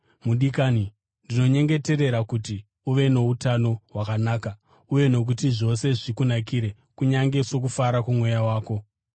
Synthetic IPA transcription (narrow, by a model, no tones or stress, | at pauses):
muɗikaːni | ndino̞ɲe̞ŋɡe̞te̞ɾe̞ɾakuti | uʋe̞no̞utano̞wakanaːka | uje̞no̞k̬utiʐo̞se̞ʐikunak̬iɾe̞ | kuɲaŋɡe̞so̞k̬ufaɾakumwe̞jawaːko̞